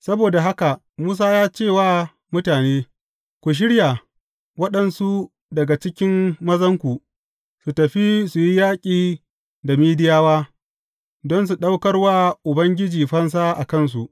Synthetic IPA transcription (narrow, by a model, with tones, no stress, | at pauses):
sɐ˦boː˨da˨ɦa˦ka˨ | muː˦s̬aː˦jaː˦t͡ʃeː˦˨waː˦ | mʊ˦taː˨neː˦ | kʷu˨ʃ̬ɪ˦ɽja˨ | wɐ˦ɗɐ˨nsu˦ | dɐ˨ɡa˨t͡ʃɪ˦kʲɪ˦mːɐ˦zɐ˦ŋkʷu˨ʔ | su˨tɐ˨ɸi˦su˨ji˦jaː˦kʲʼiː˨ | da˨miː˦dɪ˦jaː˦waː˦ | dɔ˦ns̬u˨ɗa˦wkɐ˦rwaː˦ʔʊ˨bɐ˦ŋɡʲɪ˦d͡ʒiː˨ɸɐ˦ns̬aː˦ʔa̰˨kɐ˦˨ns̬u˨ʔ